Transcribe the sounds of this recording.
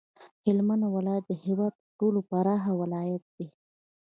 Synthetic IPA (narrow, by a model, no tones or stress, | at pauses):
hɪlmanawalɑt̪̚d̪əhiwɑt̪t̪əʈolopaɾɑɦawɪlɑjat̪̚d̪̥i